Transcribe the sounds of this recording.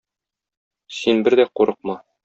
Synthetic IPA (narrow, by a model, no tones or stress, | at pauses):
sinbɘɾd̪æquɾɤ̆q̚mɑ